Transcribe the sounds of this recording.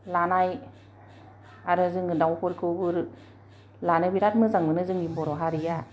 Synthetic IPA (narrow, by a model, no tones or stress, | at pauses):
lanaj | aɾɯzɯŋɡɯndawkʰɔɾkʰɯwbɯɾ | lanɯbiɾat̚mɯzaŋbɯnɯzɯŋimbɔɾɔɦaɾija